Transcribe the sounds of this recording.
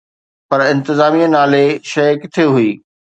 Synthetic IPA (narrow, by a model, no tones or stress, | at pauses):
pɐɾɪ̃nt̪ɪzaːmijə̃naːleʃɐːkt̪ʰioɦʊiː